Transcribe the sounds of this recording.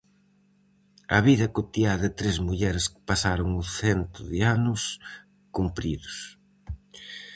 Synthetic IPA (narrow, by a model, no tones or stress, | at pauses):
ɐ̰βiðɐkot̪iaðɪt̪ɾezmuʎɛɾɪskɪ̥pasaɾʊŋuθent̪ɾʊ̰ðɪanʊs | kumpɾiðʊs